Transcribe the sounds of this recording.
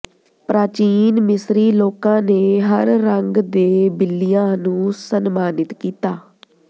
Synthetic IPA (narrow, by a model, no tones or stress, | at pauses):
pɾaːt͡ʃiːnmɪsɾiːloːkãːneːɦəɾːəŋɡd̪eːbɪlːijãːnũːsənmaːnɪt̪kiːt̪aː